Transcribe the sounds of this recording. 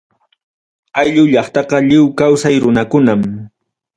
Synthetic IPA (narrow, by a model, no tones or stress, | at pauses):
ajʎʊʎɑχt̪ɑqɑʎɪwkawsajɾʊnakʊnam